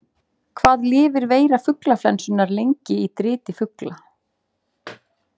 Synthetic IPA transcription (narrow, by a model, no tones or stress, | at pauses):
kʰvaːðlɪːvɪɾveːjɾafʏklaflɛnsʏnːaɾlejɲcɪit̪ɾɪːt̪ɪfʏkla